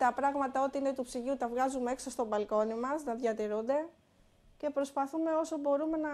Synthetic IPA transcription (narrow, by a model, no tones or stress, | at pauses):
t̪ɐpɾɐɣmɐt̪ɐo̞t̪iine̞t̪upsiʝut̪ɐvɣɐzumeeksost̪o̞bɐlko̞nimɐsnɐðʝɐt̪iɾund̪e̞ | ce̞pɾo̞spɐθume̞o̞sobo̞ɾume̞nɐ